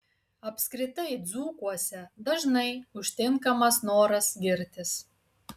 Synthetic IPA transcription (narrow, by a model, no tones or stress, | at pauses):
ɐpʲsʲkɾʲɪt̪ɐɪd̪zuːkuɔsʲɛd̪ɐʒnɐɪʊʃʲt̪ʲɪŋkɐmɐsnoːɾɐsɡʲɪɾʲt̪ʲɪs